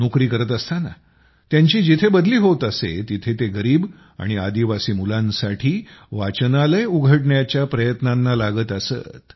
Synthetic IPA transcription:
nukɾiːkəɾət̪əst̪ana̰ | t̪jaɲt͡ɕiːd͡ʑit̪ʰebəd̪liːɦot̪əsḛt̪it̪ʰet̪eɡəɾiːb | a̰ɽ̃iad̪iʋasiːmulãnsaʈʰiːʋat͡ɕnaləjuɡʱəʈɳjat͡ɕjapɾəjət̪nanːalaɡət̪əsə̰t̪

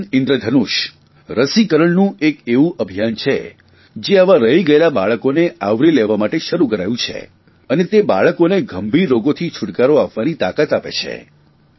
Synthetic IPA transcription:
ɪnd̪ɾəd̪ʱənuʃ | ɾəsikəɾəɭnũekeʋũʔəbʱijant͡ʃʰḛ | d͡ʒeaʋaɾəɦiɡəelabaɭəkoneaʋɾilɛʋamaʈeʃəɾukəɾajũt͡ʃʰḛ | ənet̪eba̰ɭəkoneɡʱəmbʱiɾːoɡot̪ʰit͡ʃʰʊʈkaɾoapʋanit̪akat̪apḛt͡ʃʰḛ

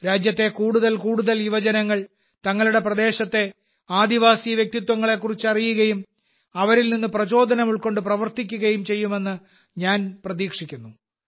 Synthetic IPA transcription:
ɾaːd͡ʑjɐt̪ːe̞kuːɽuðɐlkuːɽuðɐliʋɐd͡ʑɐnɐŋːɐɭ | t̪ɐŋːɐɭuɽe̞prɐd̪e̞ːɕɐt̪ːe̞ | aːd̪iʋaːsijɐʋjek̚t̪it̪wɐŋːɐɭe̞k̬ːurit͡ɕːɨɐrijuɣɐjum | ɐʋɐɾilninːɨprɐt͡ɕo̞ːd̪ʱɐnɐmuɭko̞ɳɖɨprɐʋɐrt̪ikʲːuɣɐjumt͡ɕe̞jːume̞nːɨ | ɲaːnprɐðiːkʂikʲːunːu

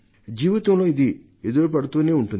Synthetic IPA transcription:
d͡ʒiːʋit̪ɐmlo̞ːid̪i | ed̪uɾup̬ɐɽut̪uːneːuɳʈun

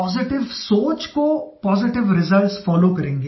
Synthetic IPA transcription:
ɔːzɪʈɪʋsoːt͡ʃkopɔːzɪʈɪʋɾɪzəlʈsfɔːlokɐɾẽːŋɡe

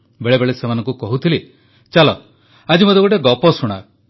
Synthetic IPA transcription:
beɭebeɭesemanɔ̃ŋkukɔɦut̪ʰili | t͡ʃalɔ | ad͡ʒimod̪ekuʈeɡɔpɔsuɽ̃a̰

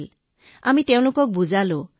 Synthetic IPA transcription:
l | amit̪eʊ̃lukɔk̚bud͡ʒalo

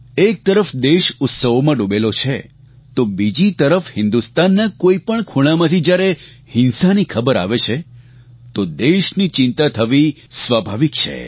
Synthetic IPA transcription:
ek̚t̪əɾəfd̪eʃʊt̪səʋomãɖũbelot͡ʃʰḛ | t̪obid͡ʒit̪əɾəfhɪ̃nd̪ust̪anːakoipəɳkʰuɽ̃amãt̪ʰid͡ʒjaɾe | hɪnsanikʰəbəɾa̰ʋet͡ʃʰe | t̪od̪eʃnit͡ʃɪ̃nt̪at̪ʰəʋi | sʋabʱaʋik̚t͡ʃʰḛ

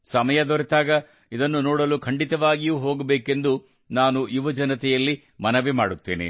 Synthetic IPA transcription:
sɐmɐjɐd̪ɔɾɛt̪aːɡɐ | id̪ɐnːunoːɽɐlukʰɐɳɖit̪ɐʋaːɡijuːɦoːɡɐbeːke̞nd̪u | naːnuʔiʋɐd͡ʒɐnɐt̪ɛjɐlːi | mɐnɐʋimaːɽut̪ːeːnḭ

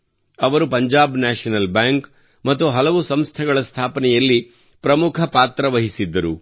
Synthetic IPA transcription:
ɐʋɐɾupɐɲd͡ʒaːbnaːʂɐnɐlbaːŋk | mɐt̪ːuɦɐlɐʋusɐmst̪ʰɛɡɐɭɐst̪ʰaːpɐnɛjɐlːi | pɾɐmukʰɐpaːt̪ɾɐʋɐɦisid̪ːɐɾu

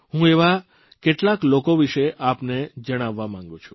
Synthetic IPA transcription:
ɦũeʋa | keʈlaklokoʋiʃeʔapned͡ʒəɽ̃aʋːamãŋɡũt͡ʃʰu̥

